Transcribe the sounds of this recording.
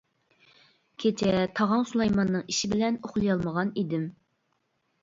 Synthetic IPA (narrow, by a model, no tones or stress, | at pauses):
kʲʰet͡ʃʰɛt̪ʰɑʁɑŋsulˠɑjmɑnːɨŋiʃɪbɪlɛnoχlˠɨjɑlˠməʁɑnid̪ɪm